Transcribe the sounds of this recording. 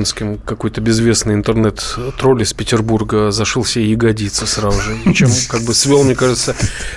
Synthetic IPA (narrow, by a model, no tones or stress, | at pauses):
nskʲɪmkɐko̞jt̪əbʲɪzvʲe̞snɨjɪnt̪ɨrnɛt̪t̪ɾolʲɪspʲɪtʲɪrburɡəzɐʂɨlˠsʲɪeɪɡɐdʲit̪səsɾazʊʐɨt͡ɕe̞mkaɡ̚bɨsvʲelˠmnʲekaʐɨt̪sə